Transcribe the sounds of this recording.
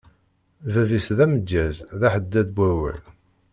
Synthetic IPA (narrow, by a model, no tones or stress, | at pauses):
vævisðæmədːæzðæħəd̪ːæðbæwə̰l